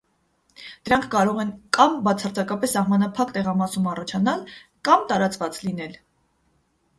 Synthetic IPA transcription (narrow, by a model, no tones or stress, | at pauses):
d̪̥əɾɑŋkʰkɑɾɔʁɛnkɑmbɑt͡sʰɑrt͡sɑkɑpɛsːɑhmɑnɑpʰɑkt̪ɛʁɑmɑsumɑrɑt͡ʃʰɑnɑlkɑmt̪ɑɾɑt͡svɑt͡slin̪ɛl